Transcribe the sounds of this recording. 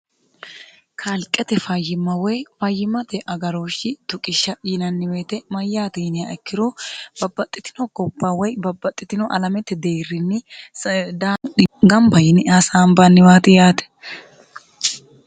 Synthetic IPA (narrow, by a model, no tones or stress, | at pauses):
kʰalkʼːɛt̪ɛfɐjːɪmːɐwɔjfɐjːɪmːɐt̪ɛʔɐɡɐɾoːʃːɪt̪ʊkʼɪʃːɐɪnɐnːɪweːt̪ɛmɐjːaːt̪enɪjaɛkːɪɾob̥ɐbːɐt̪ʼːɪt̪ɪnɔɡɔbːawɔjbɐbːɐt̪ʼːɪt̪ɪnɔʔɐ̰lɐmɛt̪ːɛd̪eːrːɪnːɪ | d̪aɡɐmbɐjɪnɪasaːmbanːɪwaːt̪ɪjaːt̪ɛ̥